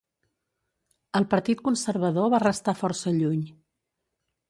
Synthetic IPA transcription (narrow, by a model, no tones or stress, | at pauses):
əlˠpəɾt̪it̪̚kunsəɾβəðoβarəst̪afɔɾsəʎuɲ